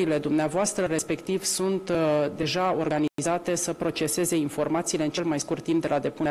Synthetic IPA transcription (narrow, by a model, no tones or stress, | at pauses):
ile̞d̪umneavoast̪ɾəɾe̞spe̞kt̪ivsunt̪d̪e̞ʒao̞rɡaniizat̪e̞səpɾo̞t͡ʃe̞se̞ze̞info̞rmat̪siːle̞ɨnt͡ʃe̞lmajskurt̪ːimp̚d̪elad̪e̞pu